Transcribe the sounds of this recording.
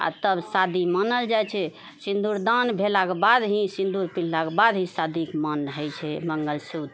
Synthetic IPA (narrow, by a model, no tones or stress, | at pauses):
a̰t̪əbsad̪imənəld͡ʒajt͡ʃʰɛ | sĩnd̪uɾd̪anbʱelakebad̪ɦĩsĩnd̪uɾpil̤lakebad̪ɦĩsad̪ʱikmənɦəjt͡ʃʰɛməŋɡəlsud̪